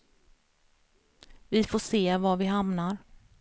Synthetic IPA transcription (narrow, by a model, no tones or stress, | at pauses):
vɪfoːʂeːvaɾvɪɦamnaɾ